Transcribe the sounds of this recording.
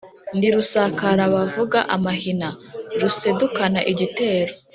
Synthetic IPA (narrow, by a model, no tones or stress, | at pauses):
ndiɾusakaɾaβavuɡaʔamahinaɾuse̞dukanaʔiɟite̞ːɾo